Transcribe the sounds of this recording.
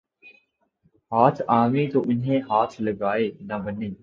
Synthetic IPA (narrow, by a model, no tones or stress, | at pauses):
ɦaːt̪ʰaːʋĩːt̪oːʔʊnɦẽːɦaːt̪ʰləɡaːeːnɐbəniː